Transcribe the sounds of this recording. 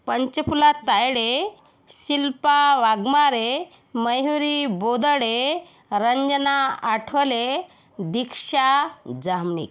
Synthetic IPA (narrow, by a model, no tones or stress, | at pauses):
pəɲt͡ɕəpulat̪ːajɽe | silpaʋaɡmaɾe | məjɦuɾibod̪əɽe | ɾəɲd͡znaaʈʰəle | d̪ikʂad͡zamnḭk